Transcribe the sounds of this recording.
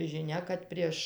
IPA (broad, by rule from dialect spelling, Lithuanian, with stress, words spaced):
ʒʲɪˈnʲɛ kɐt ˈpʲrʲiɛʃ